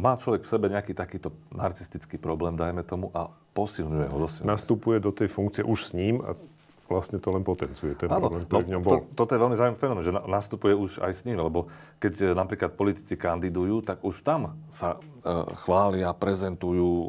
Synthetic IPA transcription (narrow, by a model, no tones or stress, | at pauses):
maːt͡ʃlɔʋɛkfsɛbɛɲɛakiːt̪akiːt̪ɔnaɾt͡sist̪it͡skiːpɾɔblɛːmd̪ajmɛt̪ɔmuʔapɔsilɲujɛ̰ɦɔzɔsɛnast̪upujɛd̪ɔt̪ɛjfuŋkt͡sɪɛʔuʃsɲiːma̰ | ʋlast̪ɲɛt̪ɔlɛnpɔt̪ɛnt͡sujɛt̪ɔɛaːɾnɔɔblɛːmkt̪ɔɔɾivɲɔmbɔɔlt̪ɔt̪ɔjɛʋɛlmizaːumifɛnɔmɛnʒɛnanast̪upujɛuʃa̰jsɲiːmlɛbɔ | kɛcnapɾiːklat̪̚pɔlit̪i̥t͡sikand̪id̪ujuːt̪aɡuʃt̪amsa | xʋaːlɪapɾɛzɛnt̪ujuː